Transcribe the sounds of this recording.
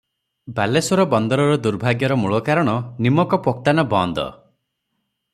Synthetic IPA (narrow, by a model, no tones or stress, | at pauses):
balesɔɾɔbɔnd̪ɔɾɔɾɔd̪uɾbʱaɡjɔɾɔmuɭɔkaɾɔɽ̃ɔnimɔkɔpɔk̚t̪anɔbɔnd̪ɔ̰